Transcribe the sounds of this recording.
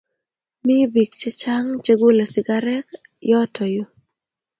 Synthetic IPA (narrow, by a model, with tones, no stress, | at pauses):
mɪ˦bi˨k̚t͡ʃɛ˦t͡ʃa˦ŋt͡ʃe˦ɡo˦la˨sɪ˨ɡa˦ɾɛ˦k | jɔ˦tʰɔ˨jo˦